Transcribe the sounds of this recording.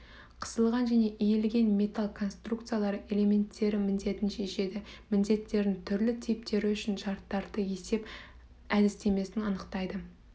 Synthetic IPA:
qʰə̥səlˠʁɑnʒæne̞ʔijelɡʲe̞nmʲe̞t̪alˠkʰo̞nst̪rukt̪sɨijalˠɑɾəʔe̞lʲe̞mʲe̞nt̪ʰːe̞ɾɪmɪnd̪e̞t̪ɪnʃe̞ʃe̞d̪ɪmɪnd̪e̞t̪ːe̞ɾd̪ɪŋt̪ʰʏɾlɪt̪ʰip̚t̪ʰe̞ɾɪʏʃɪnʒɑɾt̪ːɑɾd̪əje̞se̞p | æd̪ɪst̪e̞me̞sɪnɑnəqt̪ɑjd̪ə

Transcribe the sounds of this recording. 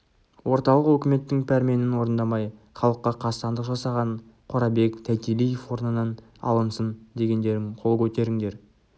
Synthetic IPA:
wʔo̞ɾt̪ɑlˠəqwɵkʲɪme̞t̪ːɪŋpʰæɾme̞nɪnwo̞ɾənd̪ɑmɑj | χɑlˠəqːɑqʰɑt̪ɑnd̪əqʒɑsɑʁɑɴ | qʰoɾɑbe̞kt̪ʰæt̪ilijefwo̞ɾnənɑn | ɑ̰lˠənsənd̪e̞ɡʲe̞nd̪e̞ɾɪŋqʰo̞lˠkʲʰɵt̪e̞ɾɪŋd̪e̞ɾ

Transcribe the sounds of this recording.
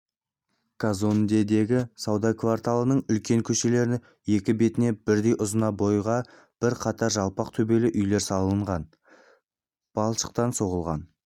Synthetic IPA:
kʰazond̪e̞d̪e̞ɡʲɪsɑwd̪ɑkvaɾt̪alˠənəɴʏlkʲe̞ŋkʲʰɵʃe̞le̞ɾɪn | je̞kʲɪbe̞t̪ɪne̞bɪɾd̪e̞jʔʊzənɑbo̞jʁɑ | b̥ɪɾqʰɑt̪ʰɑɾʒɑlˠpɑq̚t̪ʰɵbe̞lɪʔʏjle̞ɾsɑlˠəɴʁɑn | b̥ɑlˠʃə̥q̚t̪ɑnso̞ʁəlˠʁɑ̰n

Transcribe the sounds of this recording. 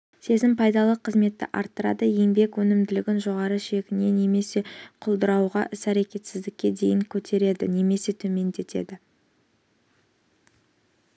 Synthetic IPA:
se̞zɪmpʰɑjd̪ɑlˠəqʰəzme̞t̪ːɪ̰ʔɑ̰ɾt̪ːəɾɑ̰d̪əje̞mbe̞kwɵnɪmd̪ɪlɪɡʲɪnʒo̞ʁɑɾəʃe̞kʲɪne̞ne̞me̞se̞qʰʊlˠd̪əɾɑwʁɑʔɪsæɾekʲe̞t̪sɪzd̪ɪkʲːe̞d̪e̞jɪŋkʲʰɵt̪ʰe̞ɾe̞d̪ɪ̰ne̞me̞se̞t̪ʰɵme̞nd̪e̞t̪e̞̰d̪ɪ

